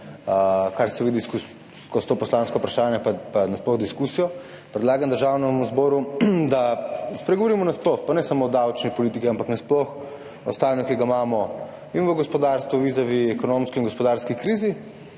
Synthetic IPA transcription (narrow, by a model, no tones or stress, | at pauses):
kaɾsɛʋid̪iskus | kɔst̪oːpɔslanskɔpɾaʃaːnjɛpapanasplɔɣd̪iskusijɔ | pɾɛd̪laːɡand̪əɾʒaːwnɛmuzbɔɾud̪aspɾɛɡoʋɔɾiːmɔnasplɔxpanɛsamoɔd̪awt͡ʃnipɔliːt̪ikiampaknasplɔx | ɔ̰st̪aːnjɔkiɡamaːmɔ | inʋəɡɔspɔd̪aːɾst̪ʋɔʋiːzaʋiɛkɔnomskiiŋɡɔspɔd̪aɾskikɾiːzi